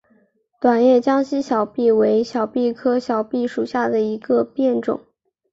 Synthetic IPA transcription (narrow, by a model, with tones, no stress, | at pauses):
t̪wa˨˩njɛ˥˩t͡ɕjɑ˥ŋɕi˥ɕjɑ˨˩ʊpi˥˩we˧˥ɪɕjɑ˨˩ʊpi˥˩kʰɤ˥ɕjɑ˨˩ʊpi˥˩ʂu˨˩ɕja˥˩d̪ə˩i˧˥ɡə˧pjɛ˥˩nʈ͡ʂʊ̰˨˩˦ŋ